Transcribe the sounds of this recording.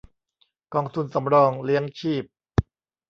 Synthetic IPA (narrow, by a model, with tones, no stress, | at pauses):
kɔː˧ŋt̪ʰu˧nsa˩˦mɾɔː˧ŋli˦˥əŋt͡ɕʰiː˥˩p̚